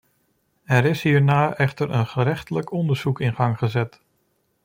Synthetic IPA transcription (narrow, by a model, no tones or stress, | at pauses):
ɛɾɪsɦiːɹnaːʔɛχtəɹʔə̰nχəɾɛχtələkɔndəɹz̥ukɪnχɑŋχəzɛt